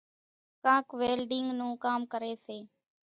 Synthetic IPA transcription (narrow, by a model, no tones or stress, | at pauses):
kãːkʋeːlɖɪŋɡnũːkaːmkəɾeːseː